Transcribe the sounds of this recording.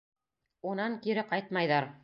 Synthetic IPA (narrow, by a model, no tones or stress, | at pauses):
unɑŋkiɾɘqɑjt̪̚mɑjðɑɾ